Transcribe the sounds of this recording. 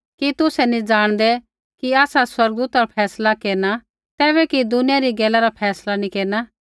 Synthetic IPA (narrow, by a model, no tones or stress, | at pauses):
kit̪ʊsɛnĩd͡ʒaːɽ̃d̪ɛ | kiaːsaswɐɾɡd̪uːt̪apʰɛːslakeːɾna | t̪ɛːbɛkid̪ʊnijaɾiɡɛːlːaɾapʰɛːslanĩkeːɾna